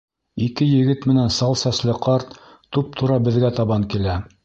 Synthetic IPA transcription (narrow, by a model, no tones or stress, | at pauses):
ikɘjɘ̆ɡɘt̪mɘ̆nænsɑlˠsæslɘqɑɾt̪ː | up̚t̪ʰuɾɑbɘ̆ðɡæt̪ɑβɑŋkilæ